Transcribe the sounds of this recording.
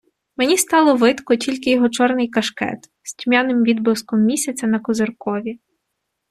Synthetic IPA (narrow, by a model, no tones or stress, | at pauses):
menʲist̪ɑlˠɔʋɪt̪kɔtʲilʲkɪjɔɦɔt͡ʃɔrnɪjkɐʃkɛ̰t̪ | sʲtʲmʲanɪmʋʲid̪blɪskɔmːʲisʲɐt͡sʲɐnɐkɔzerkɔʋʲi